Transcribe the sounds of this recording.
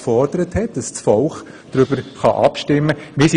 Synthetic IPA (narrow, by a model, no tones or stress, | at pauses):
fɔrd̥əɾəthɛtd̥ɑssfɔlχ | d̥ɾʏbəɾχɑʔɑpʃtɪmːəmɪs